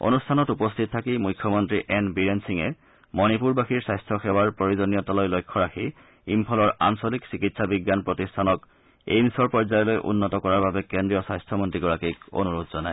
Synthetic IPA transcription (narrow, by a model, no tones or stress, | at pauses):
o̰nustʰanɔtupɔstʰit̚tʰakimujkʰːɔmɔntɹiʔɛnbiɹensiŋɛ | mɔnipuɹbaxiɹsajstʰɔxɛwaɹpɹoɹizonijɔtɔlɔjlojkʰːɔɹaxi | impʰɔlɔɹa̰nsoliksikitsʰabiɡːanpɹotistʰanɔk | ḛjnisɔɹpɔɹzajɔlojʔṵnːɔtɔkɔɹaɹbabɛkendɹijɔsajstʰɔmɔntɹiɡɔɹakiko̰nuɹutzɔnaj